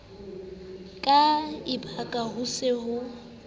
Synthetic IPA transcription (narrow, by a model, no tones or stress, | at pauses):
kʼaɪbʰakʼaɦʊsɪɦʊ